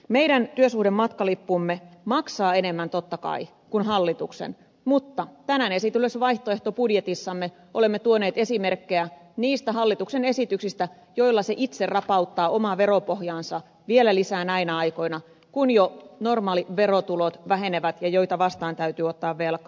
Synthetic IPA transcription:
meidænt̪yøsuhdemːɑt̪kɑlipːuːmːemɑksɑːenemːænt̪ot̪ːɑkɑ̰i | kunɦɑlːit̪uksḛn | mut̪ːɑt̪ænæne̞sit̪ylesʋɑiht̪oe̞ht̪opudjet̪isːɑmːe | ʔole̞mːet̪uone̞ːt̪e̞simerkːeæniːst̪æɦɑlːit̪uksene̞sit̪yksist̪æ | joilːɑseʔit̪serrɑpɑut̪ːɑːʔomɑʋe̞ropohjɑːnsɑ | ʋielælisæːnɑinɑɑjko̞inɑ | kunjono̞rmɑːliʋeɾot̪ulot̪ʋæɦe̞neʋæt̪jɑjoit̪ɑʋɑst̪ɑːnt̪æyt̪yːot̪ːɑːʋʋelkɑ

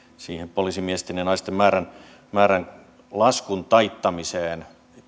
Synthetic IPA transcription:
siːhempolisimiest̪enjɑnɑist̪emmæːɾæn | mæːɾæn | lɑskunt̪ɑit̪ːɑmiseːn

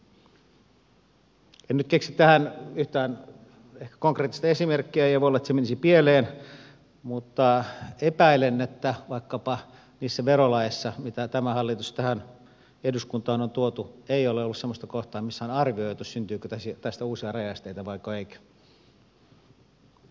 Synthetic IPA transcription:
ennyt̪keksitt̪æhænyht̪æːn | ehkæ̥koŋkreːt̪ːist̪ɑesimerkːiæejɑʋoolːɑet̪semenisipieleːn | mut̪ːɑepæilenːet̪ːæʋɑikːɑpɑ | niːsːæʋerolɑjsːɑmit̪æt̪æmæhɑlːit̪ust̪æhæn | eduskunt̪ˑɑːnont̪uot̪ueioleolːussemːost̪ɑkoht̪ɑːmisːæonɑrʋioit̪ussynt̪yːkøt̪æsit̪æst̪æuːsiɑrɑjɑst̪eit̪ɑʋɑikːɑeikæ̥

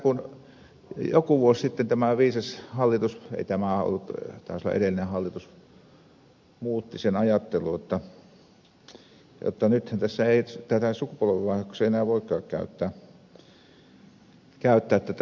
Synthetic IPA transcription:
kun | jokuʋuossit̪ːent̪æmæʋiːsɑshɑlːit̪usḛˑit̪æmæo̰lːut̪t̪æ̰ːˑsolːɑ̰ʔḛdelːˑinehɑlːit̪us | muːt̪ːisenɑjɑt̪ːelujot̪ːɑ | jo̰t̪ːɑnyt̪hænt̪æsːæeˑit̪æt̪æsukupolʋeʋʋɑˑihɑkːo̥seienæːʋoˑikkɑːkkæ̰yt̪ːæː | kæˑyt̪ːæːt̪ːæt̪

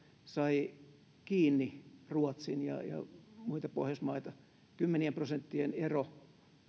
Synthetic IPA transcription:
sɑi | kiːnːiruot̪sinjɑ̰jɑ̰muit̪ɑpohjɑsmɑit̪ɑ | kymːeniemprosent̪ːienero

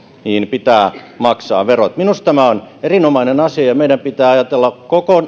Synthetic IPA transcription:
niːnpit̪æː | mɑksɑ̰ːʋerot̪minust̪æmæonerinomɑinenɑsiɑjɑmeidæmpit̪æːɑjɑt̪elːɑkkokon

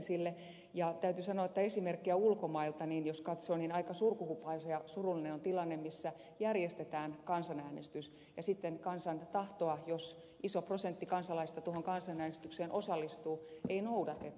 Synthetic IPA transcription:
silːe | jɑt̪æyt̪ysɑnoɑet̪ːæesimerkːiæulkomɑilt̪ɑninjoskɑt̪soːninɑikɑsurkuhupːɑisejɑsurulːinenont̪ilɑnːemmisːæ | jærjest̪et̪æːnkɑnsɑnæːnḛst̪ys | jɑsit̪ːenkɑnsɑnt̪ɑht̪oɑjos | ʔisoprosent̪ːikɑnsɑlɑist̪ɑt̪uohoŋkɑnsɑnæːnest̪ykseːnʔosɑlːist̪uːʔeinoudɑt̪et̪ː

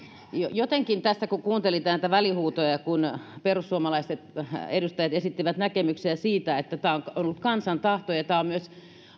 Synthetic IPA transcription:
jojot̪eŋkint̪æst̪ækukuːnt̪elit̪ɑˑːnæit̪æʋælihuːt̪ojɑkunperusːuomɑlɑist̪et̪edust̪ɑjɑt̪esit̪ːiʋæt̪nækemyksiæsiːt̪æet̪ːæt̪æːoŋkonolːut̪̚kɑnsɑnt̪ɑht̪ojɑt̪æːommyøs

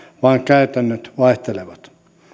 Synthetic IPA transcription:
ʋɑːŋkæyt̪ænːøt̪ʋɑeht̪eleʋɑt̪

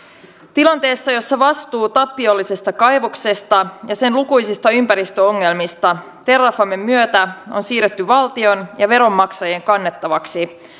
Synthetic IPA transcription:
t̪ilɑnt̪e̞ːsːɑjo̞sːɑʋɑst̪uːt̪ɑpːio̞lːise̞st̪ɑkɑjʋokse̞st̪ɑjɑse̞nlukujsist̪ɑympæɾist̪øo̞ŋːe̞lmist̪ɑ | t̪e̞rːɑfɑmːe̞mːyøt̪æo̞̰nsiːret̪ːyʋɑlt̪io̞njɑʋe̞ɾo̞mːɑksɑjeŋkɑnːet̪ːɑʋɑksi

